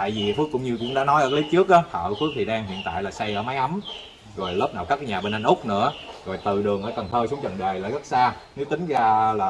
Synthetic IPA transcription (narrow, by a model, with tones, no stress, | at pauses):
t̪a̰ː˧˨jvi˨˩˨fəkːʊ̰˧˥ŋ͡mɲɨ˧kʊ̰˧˥ŋ͡mɗa̰ː˧˥nɔ˨˦jʔəː˧˩ka˦li˨˦˥t͡ɕɨ˦˥ək̚ʔa˨˦hə̰ː˧˨˧fɨ˦˥ək̚t̪ʰi˨˩ɗaː˧ŋɦḭ˧˨ənt̪a̰ː˧˨jlaː˨˩sa˧jʔəː˧˩ma˨˦jʔa˨˦m | zo˨˩jləː˦˥p̚na̰˨˩wkaː˦˥kːjɲaː˨˩ɓeː˧nʔa˧jŋʔʊ˦˥k͡p̚nɨ̰˧˥əzo˨˩jt̪ɨ˨˩ɗɨ˨˩əŋʔəː˧˩t̪ə˨˩nt̪ʰəː˧su˨˦əŋ͡mt͡ɕə̰˧˨˩nɗə˨˩jlaː˧˩jɣə˦˥t̚saː˧ne˨˦wt̪ï˨˦ŋ̟zaː˧laː˨˩